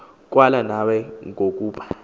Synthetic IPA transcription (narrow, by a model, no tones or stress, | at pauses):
k̬ʼwalanawɛŋʱok̬ʼuːɓḁ